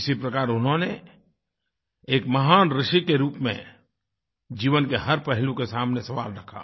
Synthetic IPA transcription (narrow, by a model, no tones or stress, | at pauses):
ɪsipɾɐkaːɾʊnɦõne | eːkmɐɦaːnɾɪʃikeɾuːpmḛ̃ | d͡ʒiːʋənkeɦɐɾpɛɦlũkesaːmnesɐʋa̰ːlɾɐkʰa̰ː